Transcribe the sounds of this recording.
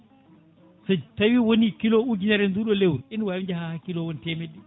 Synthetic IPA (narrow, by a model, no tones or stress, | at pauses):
sɔtawiwonikilouɡinaɾɛnduɗɔlewuɾinwaid͡ʒahahakilowonitɛmedi